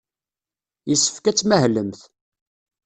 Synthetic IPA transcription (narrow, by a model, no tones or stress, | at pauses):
jəsːə̥fkæt͡sːmæhləmθ